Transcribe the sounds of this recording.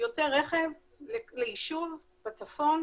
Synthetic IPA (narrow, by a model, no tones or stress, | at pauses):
joteʁːeχev | leleiʃuv | b̥at͡safo̞n